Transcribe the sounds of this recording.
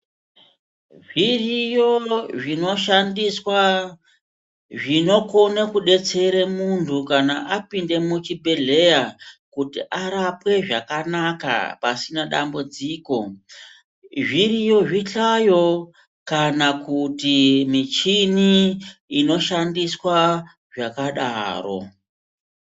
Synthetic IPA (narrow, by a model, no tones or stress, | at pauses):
ʐirijoʐino̞ʃandiswa | ʐino̞konekuɗe̞t͡se̞ɾemuntʰukanaʔapinde̞mut͡ʃibʱe̞ɮe̞jakutiʔaɾapwe̞ʐakanaka̰pasinaɗa̰mbud͡ziːko̞ | ʐirijo̞ʐiɬajo̞ | kanakutimit͡ʃiniː | no̞ʃandiswa | ʐakaɗa̰ːro̞̰